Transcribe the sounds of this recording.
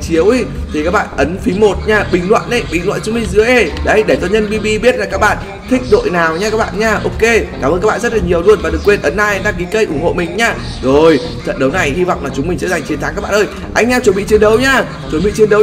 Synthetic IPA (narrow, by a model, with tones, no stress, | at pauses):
t͡ɕi˨˦əwʔ | t̪ʰi˨˩kaː˦˥k̚ɓa̰ː˧˨nʔə˨˦nfi˨˦mo˨˩t̚ɲaː˧˩ɓï˨˩ŋ̟lwa̰ː˧˨nʔə˨˦jɓï˨˩ŋlwa̰˧˨nt͡ɕʊ˨˦mi˧˩ŋ̟zɨ˨˦əjʔe˧˩ɗə˨˦jɗe˧˩t͡ɕɔ˧ɲə˧nɓi˧ɓi˧ɓi˦˥t̚laː˨˩kaː˦˥k̚ɓa̰ː˧˨n | t̪ʰï˦˥k̟̚ɗo̰˧˨jnaː˨˩wɲaː˧kaː˦˥ɓa̰ː˧˨nɲaː˧˩ʔo˧wke˧kaː˧˩mə˧kaː˦˥ɓaː˧˨zə˦˥t̚laː˨˩ɲi˨˩əwlu˧ənvaː˨˩ɗɨ˨˩ə˩kːwe˧nʔə˨˦nːaː˧jʔnɗaː˧ŋki˨˦kə˧˩jʔʊ˧˩ŋ͡mho̰˧˨mï˨˩ŋ̟ɲaː˧˩ | zo˨˩j | t͡ɕə̰˧˨nɗə˨˦wna˨˩jhi˧va̰˧˨wŋ͡mlaː˨˩t͡ɕʊ˨˦ŋ͡mmï˨˩ŋt͡ɕsə˧˦˥za˨˩jŋ̟t͡ɕi˨˩˦nt̪ʰa˨˦kaː˦˥ɓa̰ː˧˨ʔəː˧j | ʔa˧jŋ̟ɲaː˧t͡ɕwə˨˩˦nɓḭ˧˨t͡ɕe˧nɗə˨˦wɲaː˧ | t͡ɕwnɓḭ˧˨t͡ɕe˧nɗə˨˦w